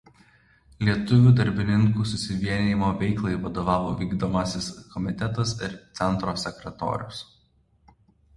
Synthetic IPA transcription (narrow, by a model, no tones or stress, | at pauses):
lʲiɛt̪ʊʋʲuːd̪ɐɾʲbʲɪnʲɪŋkuːsʊsʲɪʋʲiɛnʲiːmoːʋʲɛɪklˠɐɪʋɐd̪oːʋɑːʋo̰ːʋʲiːɡd̪oːmɐsʲɪskɔmʲɪt̪ʲɛt̪ɐsɪɾt̪sʲɛnt̪ɾoːsʲɛkɾʲɛt̪o̰ːɾʲʊ̰s